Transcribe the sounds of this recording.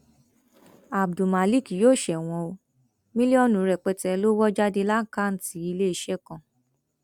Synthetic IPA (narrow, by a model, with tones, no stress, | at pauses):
a˨b̚du˨ma˨li˦˨ki˨joː˦˨ʃɛ˨w̃ɔ̃˧o˧ | mĩ˦li˦ɔ˦nũ˨˦ɾɛ˨k͡pɛ˧tɛ˧lo˦wɔ˦d͡ʒa˦de˧la˦ka˦˨n̩˦ti˨˦i˧le˦i˧ʃɛ˦kã˨